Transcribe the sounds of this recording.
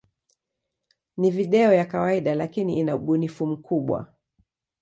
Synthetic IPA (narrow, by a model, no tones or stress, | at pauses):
niviɗɛɔjakawaiɗalakiniinauɓunifum̩kʰuɓwa̰